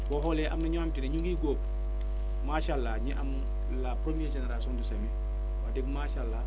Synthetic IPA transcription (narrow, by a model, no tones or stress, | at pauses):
boɦolɛʔamnɐɲoamtineɲuŋɡiːɡop̚ | maːʃalːaɲiʔam | lapɾomied͡ʒeneɾasiɔːnduseme | wadeɡmaːʃalːa